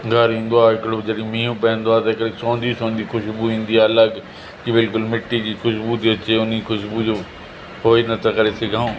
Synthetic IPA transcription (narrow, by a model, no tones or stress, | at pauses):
ɡʱəɾĩːnd̪oaːɪkɽoːd͡ʒəɽĩːmĩːũːpɛ̃ːnd̪oaːt̪ɐkəɾesɔ̃ːnd̪iːsɔ̃ːnd̪iːkʰʊʃbuːĩːnd̪iːɛələɡ | kibɪlkʊlmɪʈːiːkiːkʰʊʃbuːt̪eət͡ʃeːʊnikʰʊʃbuːd͡ʒoː | ɦoːinət̪akəɾeːseɡãːõː